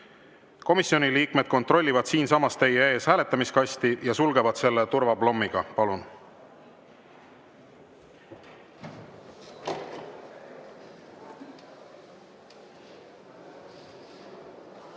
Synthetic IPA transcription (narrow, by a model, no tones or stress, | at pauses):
ko̞misio̞niliːkme̞d̪̥̚ko̞nt̪ro̞lʲːivɑd̪̥siːnsɑmɑst̪e̞jee̞ːshæːle̞t̪ːˑɑmiskɑsʲt̪ijɑsulɡe̞vɑd̪̥se̞lːet̪uɾvɑblo̞mːiɡ̥ɑpɑlun